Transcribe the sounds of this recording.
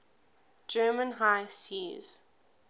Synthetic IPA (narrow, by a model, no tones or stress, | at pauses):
d͡ʒɜːmə̃nɦaɪsiz̥